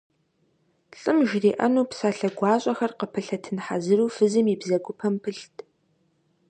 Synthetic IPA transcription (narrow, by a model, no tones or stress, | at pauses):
ɬʼɨmʒriːʔɐnuːpsaːɬɐɡʷɑːɕʼɐxɐrqəpʰɨɬɐtʰɨnħazɨɾuːfɨzɨmibzɐɡʷʊpʰɐmpʰɨɬtʼʰ